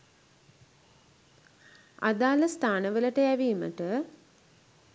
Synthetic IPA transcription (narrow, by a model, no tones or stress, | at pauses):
a̰d̪aːləst̪ʰaːnəʋələʈəjæʋiːmə̰ʈə